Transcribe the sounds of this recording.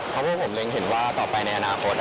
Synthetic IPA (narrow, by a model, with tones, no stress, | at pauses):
ɔ˦˥wʰaː˥˩pʰo˩˦mle˧ŋɦe˩˦nwaː˥˩t̪ɔː˨˩pa˧jna˧jʔa˧naː˧kʰo˦˥t̪̚